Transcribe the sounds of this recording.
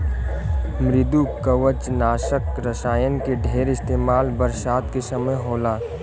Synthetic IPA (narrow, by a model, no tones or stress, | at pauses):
mɾɪd̪ukəʋət͡ʃnaːʃəkɾəsaːjənkeɖʱeːɾɪst̪eːmaːlbəɾsaːt̪kesəməjɦoːlaː